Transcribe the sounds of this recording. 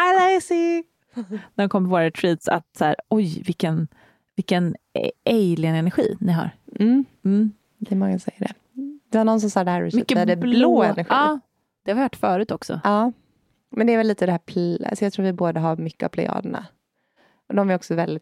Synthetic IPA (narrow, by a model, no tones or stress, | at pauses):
alasɪ | nædɛnkʰɔmːɾvoːɾat̪ʰɾiːt̪sa̰t̪sæ̰ːɾɔjvɪlkːən | vɪlkːənɛjlɪnɛnæɾɧḭːnɪɦɑ̰ɾ̩ | m̩ː | d̪ɛmɔŋːasɔsɛjːəɖɛ̰ | d̪ɛhaɾnɔnːs̬ɔmsaɖ̪ɛhæɾɪ̰smkːəd̪ɛbloːɛnæɾɧiiɑː | d̪̥ɛhaɾvɪvaʈːfœːɾʉ̟ːt̪ʰɔksɔ̰ʔɑː | mɛnd̪ɛːɾvɛlːiːt̪əd̪ɛhæːpʰa̰sɔjɑt̪ʰɾuːɾvɪboːd̪aɦaɾmʏkːəa̰vpʰlɛ̰ɑ̰ːd̪əɳa̰ | ɔd̪ɔmæɾɔksɔvɛld̪ɪt̪